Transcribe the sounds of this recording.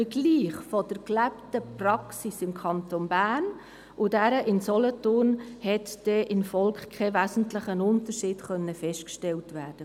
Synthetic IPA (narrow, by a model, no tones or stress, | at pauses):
fəɡliːχfɔd̥əɾklæptəprɑksisɪmkʰɑntonbæːn | ʔʊdæɾəʔɪnsɔlɔtʊːrnhɛtd̥ɛʔɪnfɔlkχkʰɛʋæːsn̩tlɪχənʊntəɾʃɪːd̥χœnːəfɛʃtkʃtɛltʋæːrd̥ə